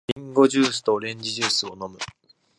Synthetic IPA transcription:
ĩŋɡo̞ʑɨːsɨ̥t̪o̞ɾẽ̞ɲ̟d͡ʑiʑɨːsɨono̞mɯ̟

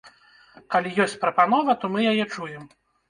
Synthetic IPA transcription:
kalʲijɔsʲt͡sʲpɾɐpanɔvɐt̪ɔmɨjajɛt͡ʂujɛm

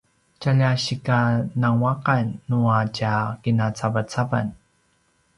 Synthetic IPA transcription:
caʎaɕikanaŋwaqanːuacakinat͡savat͡sava̰n

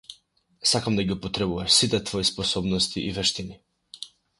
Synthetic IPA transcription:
sakamd̪aɡiupɔt̪ɾɛbuvaʃsit̪ɛt̪vɔispɔsɔbnɔst̪ʰiʔivɛʃt̪ini

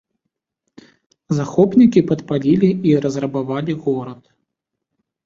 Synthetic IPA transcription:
zaxɔpnʲikʲipɐt̪palʲilʲiiɾɐzrɐbavalʲiɣɔɾɐt̪

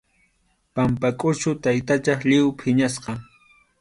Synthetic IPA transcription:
pampakʼʊt͡ʃʊt̪ajt̪at͡ʃɑχʎɪwpʰɪɲasqɑ

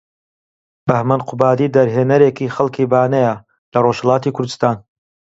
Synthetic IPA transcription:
b̥ɐhmɐnqʰʊbaːd̪iːd̪ɐɾɦeːnɐɾeːkiːxɐlˠkʰiːbaːnɐjɐ | lɐroʃhɐlˠaːt̪iːkʰʊɾd̪ɨst̪aːn

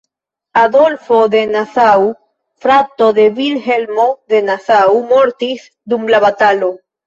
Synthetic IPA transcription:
aðolfoðenaθaw | fɾat̪oðeβilhelmoðenaθawmoɾt̪is | d̪umlaβat̪alo

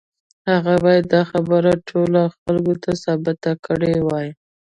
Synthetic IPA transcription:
haɣabɑjad̪ːɑxabəɾaʈʰolaxalɡot̪ʰasɑbɪt̪akəɽewɑj

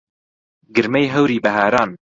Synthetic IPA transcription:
ɡɨɾmejɦɐwɾiːbɐɦaːɾɑːn

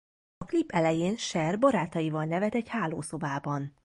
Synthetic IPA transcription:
ɒklipːɛlɛjeːnʃɛrbɒɾaːt̪ɒjivɒlnɛvɛt̪ɛɟhaːloːso̞baːbɒn

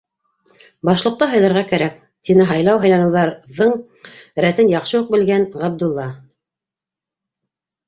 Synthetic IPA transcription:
bɑʃlˠɤ̆q̚t̪ɑɦɑjlˠɑɾʁɑkæɾæk̚ | t̪inɘɦɑjlˠɑwɦɑ̆jlˠɑnɤ̆wðɑɾðɤɴ | ɾæt̪ɘnjɑqʃɤjuq̚bɘ̆lɡænʁæb̚d̪ŭlˠːɑ

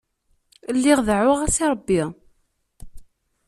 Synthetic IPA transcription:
lːiʁðʕʊʁæsiɾˤəbːi

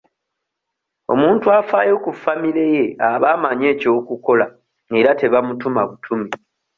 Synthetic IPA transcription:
o̞̰muːntuafaːjo̞kufamiɾe̞je̞aβaːmaɲe̞ːco̞ːkuko̞la | e̞ɾate̞βamutumaβutʰumi

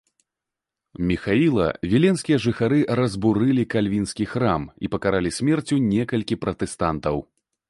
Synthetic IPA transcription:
mʲixailˠɐ̰vʲilʲɛnsʲkʲijɐʐɨxaɾɨɾɐzbuɾɨlʲikalʲvʲinsʲkʲixɾamipɐkaɾalʲisʲmʲɛrt͡sʲunʲɛkɐlʲkʲipɾɐt̪ɛst̪ant̪ɐw

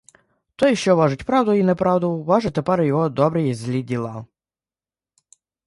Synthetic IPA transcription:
t̪ɔjʃt͡ʃɔʋɑʒʊtʲpɾɑwd̪ʊinɛpɾɑwd̪ʊʋɑʒɪt̪epɛɾjɔɦɔd̪ɔbɾɪjizʲlʲidʲilˠɑ

